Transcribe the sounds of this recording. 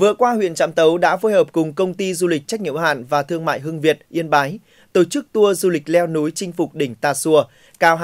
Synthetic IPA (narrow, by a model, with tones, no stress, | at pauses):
vɨ̰˧˨əkwaː˧hwḭ˧˨ənt͡ɕa̰ː˧˥mt̪ə˨˦wɗa̰ː˧˥fo˨˦jhəː˨˩p̚kʊ˨˩ŋ͡mkə˧wŋ͡mt̪i˧zu˧li˨˩k̚t͡ɕa˦˥k̟̚ŋḭ˧˨əha̰ː˧˨nvaː˨˩t̪ɨ˧əŋma̰ː˧˨jɦɨ˧əŋvi˨˩ət̚ʔi˧ənɓaː˨˦j | t̪o˧˩t͡ɕɨ˦˥k̚t̪u˧əzu˧lï˨˩k̟̚lɛ˧wnu˨˦jt͡ɕï˧ŋ̟fʊ˨˩k͡p̚ɗï˧˩ŋ̟t̪aː˨˩su˧˩ə | kaː˨˧wɦ